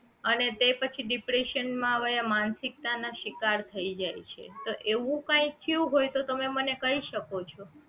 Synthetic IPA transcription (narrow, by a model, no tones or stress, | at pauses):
ənet̪epət͡ʃʰiɖipɾeʃənmãʋəjamansik̚t̪anaʃikaɾt̪ʰəid͡ʒajt͡ʃʰḛt̪oʔeʋũkãĩt̪ʰiũɦojt̪ot̪əmemənekəɦiʃəkot͡ʃʰo